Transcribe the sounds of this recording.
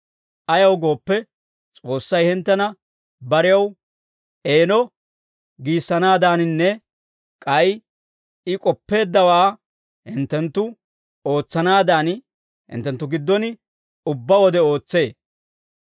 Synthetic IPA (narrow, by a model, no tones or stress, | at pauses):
ʔɐjɐwɡo̞ːpːɛ | t͡sʼo̞ːsːɐjhɪnt̪ːɐnɐ | bɐɾɪjɐw | ʔe̞ːnɔ | ɡiːsːɐnaːd̪aːnɪnːɛ | kʼɐj | ɪkʼɔpːe̞ːd̪ːɐwaː | hɪnt̪ːɛnt̪ːʊ | o̞ːt͡sːɐnaːd̪aːn | hɪ̰nt̪ːɛnt̪ːʊɡɪd̪ːɔnɪ | ʊbːɐwɔd̪ɛo̞ːt͡sːe̞ː